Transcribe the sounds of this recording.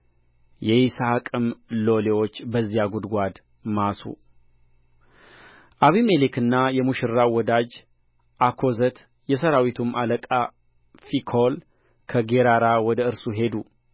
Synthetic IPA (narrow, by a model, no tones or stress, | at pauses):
jɛjisakʼɨmlo̞lewo̞t͡ʃːbəzːijaɡud̪ɡʷad̪ | masṵ | ʔaβimelikʰɨnːajɛmuʃɨɾːawɔd̪ad͡ʒ | ʔakʰo̞zət̪ | jɛsəɾawit̪ʰumʔaləkʼa | fikʰol | kʰəɡeɾaɾawɔd̪əɨɾsuɦe̞d̪u